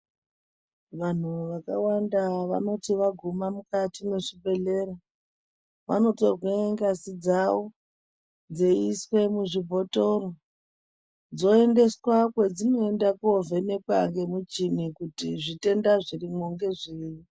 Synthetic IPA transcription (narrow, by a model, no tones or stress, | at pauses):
ʋan̤uʋakawandaʋa̰no̞tiʋaɡʱumamukatimweʐibʱe̞ɮe̞ɾa | ʋa̰no̞to̞rwaŋɡasid͡zawo | d͡zeiswe̞muʐibʱo̞to̞ɾo | d͡zo̞e̞nde̞swakwe̞d͡zino̞e̞ndakove̞ne̞kwaŋɡe̞mut͡ʃimikutiʐite̞ndaʐirimoŋɡe̞ʐiːji